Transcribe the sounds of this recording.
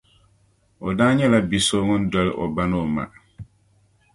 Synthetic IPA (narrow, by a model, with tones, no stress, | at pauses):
o˨daː˦ɲɛ˦la˦bi˨soː˦ŋʊ˦n˦dɛ˦lʔɔ̰˨ba˦no˦˨ma̰˨